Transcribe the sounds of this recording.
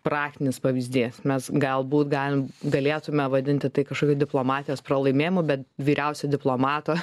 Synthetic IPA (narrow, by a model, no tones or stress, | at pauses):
pɾɑːk̚tʲɪnʲɪspɐʋʲiːzʲd̪ʲiːsmʲɛsɡɐlˠbuːt̪ɡɑːlʲɪmɡɐlʲeːt̪ʊmʲɛʋɐd̪ʲɪnʲt̪ʲɪt̪ɐɪkɐʃkoːkʲoːd̪ʲɪplˠoːmɑːt̪ʲɪjoːsprɐlˠɐɪmʲeːjɪmʊbʲɛt̪ʲʋʲiːɾʲɛʊsʲɛd̪ʲɪplˠoːmɑːt̪oː